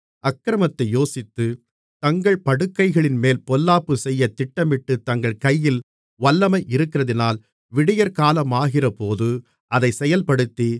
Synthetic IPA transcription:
ɐkːɾɐmɐt̪ːɐɪjoːsɪt̪ːɯ | t̪ɐŋɡɐɭpɐɽɯkːɐɪɣɐɭɪnmeːlpɔlːaːpːɯsɛjːɐt̪ɪʈːɐmɪʈːɯt̪ɐŋɡɐɭkɐjːɪl | ʋɐlːɐmɐɪʔɪɾɯkːɪrɐðɪnaːl | ʋɪɽɪjɐɾkaːlɐmaːɣɪrɐpoːðɯ | ʔɐðɐɪsɛjɐlpɐɽɯt̪ːi

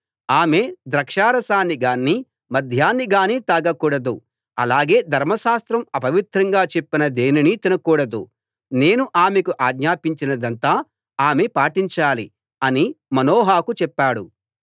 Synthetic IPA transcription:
aːme̞ːd̪ɾɐkʂaːɾɐsaːnːiɡaːnːi | mɐd̪ʱjaːnːiɡaːniːt̪aːɡɐkuːɽɐd̪u | ɐ̰laːɡe̞ːd̪ʱɐɾmɐʃaːst̪ɾɐmɐpɐʋit̪ɾɐŋɡaːt͡ʃepːinɐd̪eːninit̪inɐkuːɽɐd̪ṵ | ne̞ːnuʔaːmekuʔaːɡɲaːpiɲt͡ʃinɐd̪ɐnt̪aː | aːme̞paːʈiɲt͡ʃaːli | ɐnimɐnoːɦaːkut͡ʃɛpːaːɽṵ

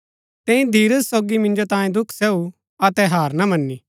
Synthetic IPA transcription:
t̪ɛ̃ĩd̪ʱiːɾəsːoːɡimɪ̃nd͡ʒot̪ãːjẽd̪ʊkʰsɛːu | ɐt̪ɛɦaːɾnamɐnːi

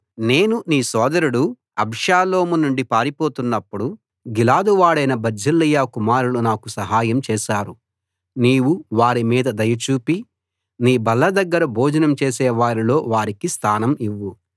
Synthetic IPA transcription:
ne̞ːnuniːsɔːd̪ɐɾuɽu | ɐbʱʃaːlo̞ːmunuɳɖipaːɾipo̞ːt̪unːɐpːuɽu | ɡilaːd̪uʋaːɽɐjnɐbɐd͡ʒʱɐlːijaːkumaːɾulunaːkusɐɦaːjɐmt͡ʃɛːʃaːɾu | niːʋuʋaːɾimiːd̪ɐd̪ɐjɐt͡ʃuːpi | niːbɐlːɐd̪ɐɡːɐɾɐbʱoːd͡ʒɐnɐmt͡ʃeːsɛːʋaːɾilo̞ːʋaːɾikist̪ʰaːnɐmiʋːu

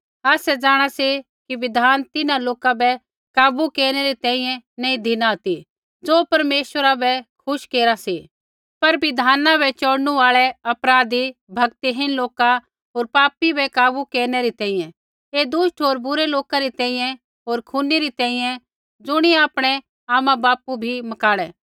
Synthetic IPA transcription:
aːsɛd͡zaːɽ̃ase | kiʋɪd̪ʱaːnt̪ɪnãloːkabɛ | kaːbukeːɾñɛɾit̪ɛ̃ːĩjɛ̃nɛ̃ĩd̪ʱɪnaɦɐt̪i | d͡zoːpɐɾmeːʃwəɾabɛkʰʊʃkeːɾasiː | pɐɾbɪd̪ʱaːnabɛt͡ʃɔɽnũaːɭɛɐpɾaːd̪ibʱɐɡt̪iɦɪnloːka | ɦoːɾpaːpibɛkaːbukeːɾnɛɾit̪ɛ̃ːĩːjɛ̃ | eːd̪ʊsʈʰoːɾbʊɾɛloːkaɾit̪ɛ̃ːĩjɛ̃ | ɦoːɾkʰuniɾit̪ɛ̃ːĩjɛ̃ | d͡zʊɽ̃iaːpɽ̃ɛ | aːmãbaːpubʱimɐkaːɽɛː

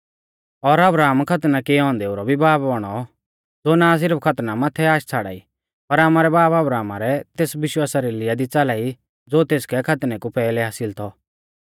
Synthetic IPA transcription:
ɔɾɐbɾaːmkʰɐt̪nakeɔ̃ːnd̪ɛʊɾɔbʱibaːpbɐɽ̃ɔ | d͡zoːnãːs̬ɪɾəpkʰɐt̪namat̪ʰːɛaːʃt͡sʰaːɽa̰ːi | pɐɾamaːɾɛbaːbɐbɾaːmaɾɛt̪eːsʋɪʃwaːsaɾilɪjad̪it͡salaːi | d͡zoːt̪eːskɛkʰɐt̪nɛkupɛːlɛɦaːsɪlt̪ʰɔ

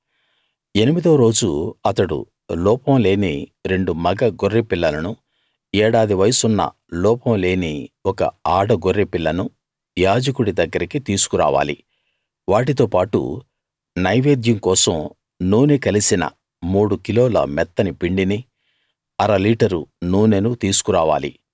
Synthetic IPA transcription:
e̞nimid̪oɾo̞ːd͡ʒuɐt̪ɐɽṵ | lɔːpɐmle̞ːniɾe̞ɳɖumɐɡɐɡoɾːepilːɐlɐnu | ɛːɽaːd̪iʋɐjɐsunːɐ̰ | lɔːpɐmle̞ːniwɔkɐ̰aːɽɐɡoɾːepilːɐnu | jaːd͡ʒɐkuɽid̪ɐɡːɐɾikit̪iːsu̥kuɾa̰ːʋa̰ːli | ʋaːʈ̬it̪oːpaːʈṵ | nɐjʋeːd̪jɐŋkɔːsɐm | nuːnekɐlisinɐ̰ | muːɽukiloːlɐ̰mɛt̪ːɐnipiɳɖini | ɐɾɐliːʈɐɾṵnuːnenut̪iːsu̥kuɾaːʋa̰ːlḭ

